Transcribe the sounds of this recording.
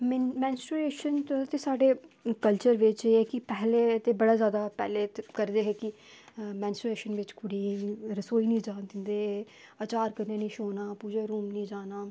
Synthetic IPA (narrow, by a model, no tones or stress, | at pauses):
mmɛ̃ːnsʈɾueːʃənt̪t̪eːsaːɖeːkəlt͡ʃəɾʋɪt͡ʃɛːkɪpɛːleːt̪eːbəɽaːzjaːd̪aːpɛ̰ːleːt̪kəɾd̪eːɦɛːkɪ | mɛ̃ːnsʈɾeːʃənʋɪt͡ʃkʊɽiːɾəsoːiːnĩːd͡ʒãːnt̪ɪnd̪eː | ət͡ʃaːɾkənẽːnĩːʃoːnaːpuːd͡ʒeːɾuːmnĩːd͡ʒaːnaː